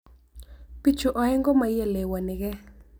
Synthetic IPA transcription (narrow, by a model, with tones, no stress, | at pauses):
pi˦t͡ʃʊ˨ʔɔ˨˦ɛ˦ŋɡɔ˦ma˨je˨le˨wa˨nɪ˨ɣɛ˦